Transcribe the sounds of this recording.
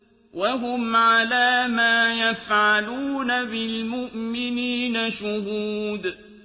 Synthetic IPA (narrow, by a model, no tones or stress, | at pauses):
waɦʊmʕalaːmaːjafʕaluːnabɪlmʊʔmɪniːnaʃʊɦuːd̪